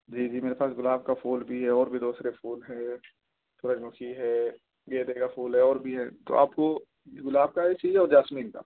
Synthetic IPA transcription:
d͡ʒiːd͡ʒiːmeːɾepaːsɡʊlaːb̚kapʰuːlbʱiɦɛɔːɾbʱid̪oːsɾepʰuːlɦɛ̃ | t̪ʰoːɾad͡ʒmʊkʰiɦɛː | ɡeːd̪ekapʰuːlɦɛɔːɾbʱiɦɛt̪o̰ʔa̰ːpko | ɡʊlaːb̚kaɦɛsiːd͡ʒɔːɾd͡ʒaːsmiːnka̰

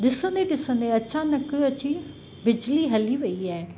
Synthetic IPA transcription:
ɗɪsə̃nd̪eɗɪsə̃n̆d̪eɐt͡ɕʰanɐkəɐt͡ɕi | bɪd͡ʑliɦɐliʋɐiaːɦe

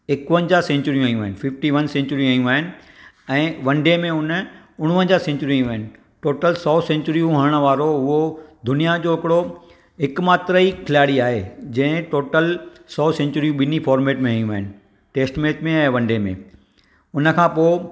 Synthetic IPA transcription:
ɪkʋə̃ɲd͡ʑasɛ̃ɲt͡ɕʊɾijũɦaːijũaːɦɪnɪfɪfʈiʋɐnsɛ̃ːɲt͡ɕʊɾijũɦaijũaːɦɪnɪ̆ | ɛ̃ːʋɐ̃ɳɖemẽʊn | ʊɽ̃ʋə̃ɲd͡ʑaːsɛ̃ɲt͡ɕʊɾĩijũaːɦɪnɪ̆ | ʈoːʈəlsɔːsɛ̃ːɲt͡ɕʊɾijũɦɐɾəɽ̃ə̆ʋaːɾoɦʊɦod̪ʊnijad͡ʑoːɦɪkɪɽo | ɦɪkmaːt̪ɾəikʰɪlaːɽiaːɦed͡ʑɐ̃ɦɪ̃ʈoːʈəlsɔːsɛ̃ːɲt͡ɕʊɾijũɓɪnĩfɔːɾmeːʈmẽɦaːjũaːɦɪnɪ̆ | ʈeːsʈmeːtmẽɛ̃ːʋɐ̃ɳɖemḛ̃ | ʊnə̆kʰãːpoːɪ

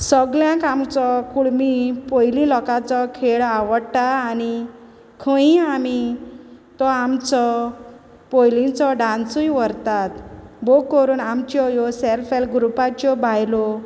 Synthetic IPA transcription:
səɡljãkamt͡sɔkuɭmipojlĩlɔkat͡sɔkʰeɭaʋəɽʈaːni | kʰə̃ĩami | t̪ɔamt͡sɔ | pojlĩt͡sɔɖãnsujʋəɾt̪at̪bokːɔɾuːnamt͡ɕɔjɔsɛlfelɡɾupat͡ɕɔbʱajlɔ

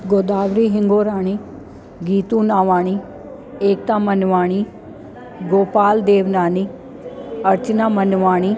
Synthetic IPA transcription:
ɡoːd̪aːʋɾiːɦɪŋɡoːɾaːɳ̃iː | ɡiːt̪ũːnaːʋaːɳ̃iː | eːk̚t̪ãːmənʋaːɽ̃iː | ɡoːpaːld̪eːʋnaːniː | əɾt͡ʃnaːmənʋaːɽ̃iː

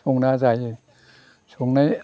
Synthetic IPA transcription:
oŋnazaj | sʰoŋnaj

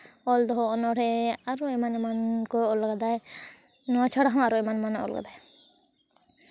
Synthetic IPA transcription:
ɔld̪ɔɦɔɔnɔɾɛaɾuɛmanɛmankɔɔlɡad̪aj | nɔat͡ʃʰaɽaɦɔ̃aɾuɛmanɛmanɔ̰lɡa̰d̪aj

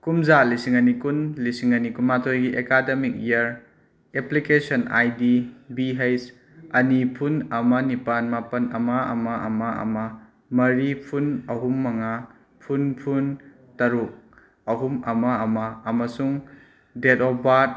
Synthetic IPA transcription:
kumzalisiŋɐnikunlisiŋɐnikunmatʰojɡiʔekademik̚iɐɾ | eplikesɐna̰jdibiɦejs | ɐnipʰunɐmɐnipanmapɐnɐmaɐ̰maʔɐ̰maɐ̰mɐ | mɐɾipʰunɐɦumːɐŋa | pʰunpʰun | tɐɾuk̚ | ɐɦumɐmaɐmaːmɐsuŋ | detɔbat̚

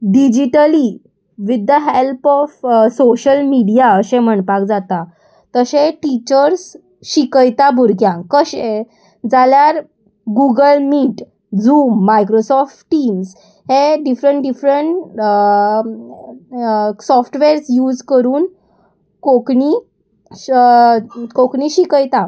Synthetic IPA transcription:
ɖid͡ʑiʈəli | ʋid̪ːəɦelpɔfsoɕəlmiɽijaəsem̤əɳpakd͡zat̪a | t̪əseʈit͡ɕəɾs | ɕikəjt̪abʱuɾɡjãkəɕẽ | d͡zaljaɾ | ɡuɡəlmiːʈ | d͡zuːmːajkɾosɔfʈʈims | hẽɖifɾəɳʈɖifɾəɳʈ | sɔfʈʋeɾsjuːd͡zkəɾuːn | kokni | kokɳiɕikəjt̪a

